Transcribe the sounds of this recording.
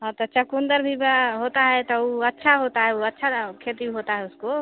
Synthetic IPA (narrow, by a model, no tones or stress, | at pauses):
ɦãt̪ɔt͡ʃəkund̪əɾbʱibaɦot̪aɦɛt̪ɔuətːʃʰaɦot̪aɦɛuətːʃʰakʰet̪iɦot̪aɦɛusko